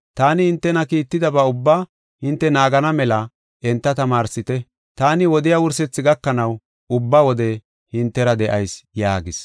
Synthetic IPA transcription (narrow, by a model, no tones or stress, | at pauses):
t̪aːnɪhɪnt̪ːɛnɐkiːt̪ːɪd̪ɐbɐʊbːaː | hɪnt̪ːɛnaːɡɐnɐmɛlɐ | ʔɛnt̪ːɐt̪ɐmaːɾsɪt̪ɛ | t̪aːnɪwɔd̪ɪjaːwʊɾsɛt͡sːɪɡɐkːɐnɐw | ʊbːaːwɔd̪ɛ | hɪnt̪ːɛɾɐd̪ɛʔɐjsjaːɡɪs